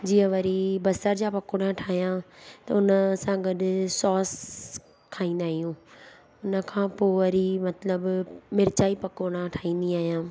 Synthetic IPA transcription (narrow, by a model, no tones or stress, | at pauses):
d͡ʑiːə̃ʋɐɾibɐsəɾd͡ʑapɐkoːɽ̃ãʈʰaːɦijãt̪ɐ̰ʊnəsãːɡɐɗsɔːs | kʰaːĩːnd̪aːɦijũː | ʊnə̆kʰãːpoːʋɐɾimɐt̪ləbmɪɾt͡ɕaːipɐkoːɽ̃ãʈʰaːĩːn̆d̪iaːɦijãː